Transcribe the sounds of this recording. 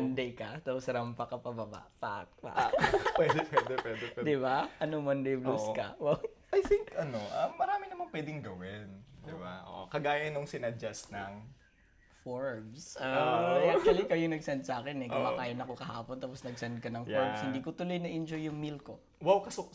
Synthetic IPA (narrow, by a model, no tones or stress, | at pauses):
ɐnd̪ɛjkɐt̪aposɾɐmpɐkɐpɐbɐba̰ʔpa̰k̚pa̰pwɛd̪ɛpwɛd̪ɛpwɛd̪ɛɛd̪ɪbaʔɐnomɐnd̪ɛjbluskɐ̰waw | ʔɐjθiŋkɐnoʔɐmːɐɾaːmɪnɐmɐnpwɛd̪ɪŋɡɐwɪnd̪ɪbaʔo̰ʔkɐɡaːjɐnoŋsɪnɐd͡ʒɐsnɐŋ | foɹms | ɛʔak̚t͡ʃuɐlikɐjoŋnɐɡsɛnd̪̚saːkɪnɛʔɡɐmaːkaːjɐnɐkokɐhaːpont̪aːposnɐɡsɛnd̪̚kɐnɐŋjɔɹmshɪnd̪iːkot̪ʊlojnɐʔɪnd͡ʒojːʊŋmilko | wawkɐso